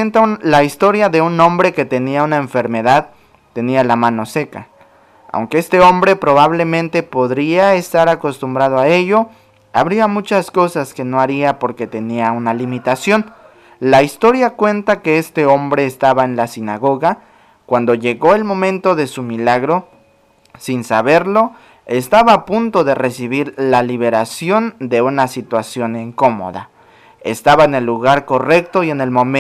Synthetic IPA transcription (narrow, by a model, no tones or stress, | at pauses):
ent̪alaist̪o̞ɾjaðe̞unõ̞mbɾe̞ke̞t̪e̞niaunaeɱfe̞ɾme̞ðað | t̪e̞nialamãno̞se̞ka̰ | a̰wŋke̞e̞st̪e̞o̞mbɾe̞pɾo̞β̞aβle̞mẽ̞nt̪e̞po̞ðɾiaest̪aɾako̞st̪umbɾað̞oae̞ʝo̞ | a̰βɾiamut͡ʃasko̞saske̞no̞aɾiapo̞ɾke̞t̪e̞niaunalimit̪asjo̞n | laist̪o̞ɾjakwe̞nt̪ake̞e̞st̪e̞o̞mbɾe̞ːst̪aβaenlasinaɣo̞ɣa | kwand̪o̞ʝe̞ɣo̞e̞lmõ̞mẽ̞nt̪o̞ðe̞sumilaɣɾo̞ | sinsaβe̞ɾlo̞ | e̞st̪aβaːpunt̪o̞ðe̞re̞siβ̞iɾlaliβe̞ɾasjo̞nd̪e̞unasit̪wasjoniŋko̞mo̞̰ða̰ | ḛst̪aβaene̞lːuɣaɾko̞re̞k̚t̪o̞ie̞ne̞lmom